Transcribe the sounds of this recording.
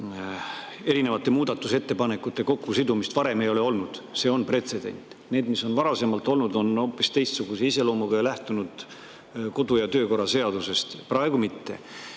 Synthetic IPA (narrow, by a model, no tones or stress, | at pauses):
e̞ɾine̞vɑt̪ːˑe̞muːd̪̥ɑt̪ːˑuse̞t̪ːe̞pɑne̞kːˑut̪ːˑe̞ko̞kːusid̪umist̪vɑɾe̞me̞jo̞le̞o̞lnud̪̥se̞ːo̞npre̞t̪se̞d̪e̞̰nʲt̪ːˑ | ne̞ːd̪̥miso̞nvɑɾɑse̞mɑlt̪ˑo̞lnud̪o̞no̞ːpːˑist̪e̞jst̪suɡ̥useise̞lo̞ːmuɡ̥ɑjlæht̪unud̪̥ | ko̞d̪̥ujɑt̪ø̞ːko̞rːɑse̞ɑd̪use̞st̪prɑe̞ɡ̥umit̪ːe̞̰